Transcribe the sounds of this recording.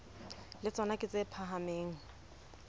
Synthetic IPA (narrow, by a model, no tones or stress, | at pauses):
lɪt͡sʼɔnakʼɪt͡sʼepʰaɦameːŋ̩